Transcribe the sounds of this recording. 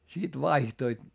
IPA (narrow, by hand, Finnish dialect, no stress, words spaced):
sit ʋɑihtoit